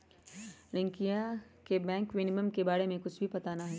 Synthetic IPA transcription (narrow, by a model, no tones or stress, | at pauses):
lɪ̃ŋkijakebɛ̃ːŋkʋɪnɪməmkebaːɽemẽkʊt͡ʃʰbʱipɐt̪anaɦɛ